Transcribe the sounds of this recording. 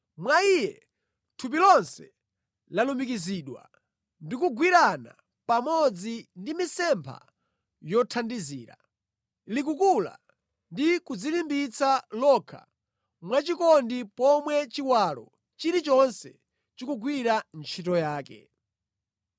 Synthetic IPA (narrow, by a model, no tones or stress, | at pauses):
mwaijɛ | tʰup̬ilɔnsɛ | lalumikiziːɗwa̰ | ndikuɡwiɾana̰ | pamɔd͡zindimisɛmpʰa̰ | jɔtʰandiziːɾa̰ | lik̬ukula̰ | ndikud͡zilimbit͡salɔkʰa̰ | mwat͡ʃikɔndipɔmwɛt͡ʃiwalɔ̰ | t͡ʃiɾit͡ʃɔnsɛ | t͡ʃikuɡwiɾant͡ʃʰitɔjaːkɛ̰